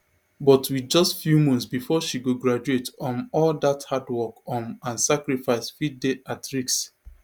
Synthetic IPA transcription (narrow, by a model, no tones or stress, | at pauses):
bɔtwid͡ʒɔstfjumɔ̃ntsbifɔʃiɡoɡɹad͡ʒuetɔ̃nɔldathadwɔkɔ̃nãnsakɹifaɪsfit̚deʔatɹiks